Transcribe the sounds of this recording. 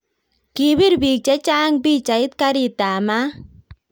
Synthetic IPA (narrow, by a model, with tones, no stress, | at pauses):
ki˨bi˦ɾbi˨k̚t͡ʃɛ˦t͡ʃa˦ŋbi˦t͡ʃa˨ɪ˦t̪̚ka˦ɾɪ˨ta˨ma˦